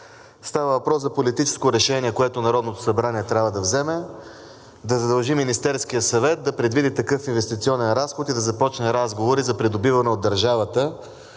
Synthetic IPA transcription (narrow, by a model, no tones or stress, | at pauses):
st̪avəvɐpɾɔsɐpolit̪it͡ʃɛ̥skoɾɛʃɛniɛkoɛt̪onɐɾɔd̪not̪o̥sɐbɾaniɛt̪ɾʲavəd̪ɐvzɛmɛ | d̪ɐzɐd̪ɐlˠʒiminist̪ɛɾskijəsɐvɛt̪̚d̪ɐpɾɛd̪vid̪it̪ɐkɤfinvɛst̪it̪siɔnɛnɾasxot̪id̪ɐzɐpɔt͡ʃnɛɾazɡovoɾizɐpɾid̪obivɐnɛod̪ːɐɾʒavɐt̪ə